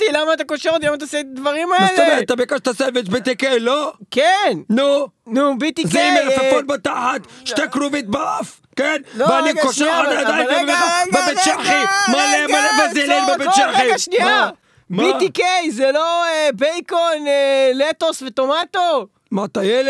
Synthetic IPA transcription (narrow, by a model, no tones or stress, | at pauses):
t̪ilamaːt̪akoʃeʁot̪ilamat̪̬aset̪ad̪vaʁimameeleveat̪abekaʃt̪aʃsevet͡ʃbit̪ikejlokennunubit̪izeimelafafonbat̪aħat̪ʃt̪ekɾuvit̪̚baaf | kenloveaniɡkoʃʃeaaaad̪aoeaʁeɡbebeʃaχimalemalevazilinbebeʃaʁiɡaʃnia | mbit̪ikejzeloebejkonelet̪osvet̪omat̪o | mat̪ajel